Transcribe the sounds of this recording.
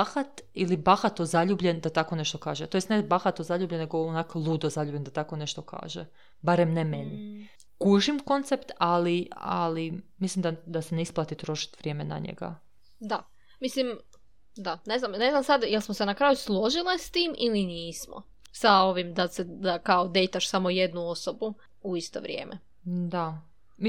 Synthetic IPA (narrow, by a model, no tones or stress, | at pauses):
axat̪ilibaxat̪ozaʎuːbʎend̪at̪ako̞neʃt̪okaːʒet̪ojest̪nebaxat̪ozaʎubʎenːeɡoonaklˠuːd̪ozaʎubʎʲend̪at̪akone̞ʃt̪o̞kʰa̰ːʒḛ | baɾemnemeni | kuʒimko̞nt̪sept̪alia̰limislimd̪ad̪aseneisplˠat̪it̪ɾo̞ʃi̥t̪ʋɾje̞me̞na̰ɲḛɡa̰ | d̪a | mislim | d̪ane̞znamne̞znamsad̪jelˠsmosenakɾaːjuslˠo̞ʒilest̪iːmʔiliniːsmo̰ | sao̞ʋimd̪ased̪akaod̪e̞jt̪aʃsamoje̞d̪nuo̞sobu | uist̪o̰ʋɾʲjḛːmʔḛ | d̪a | m